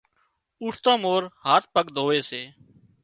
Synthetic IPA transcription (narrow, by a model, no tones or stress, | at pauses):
ʊʈt̪ãːmoːɾhaːt̪̚pəɠd̪ʱoːʋeːseː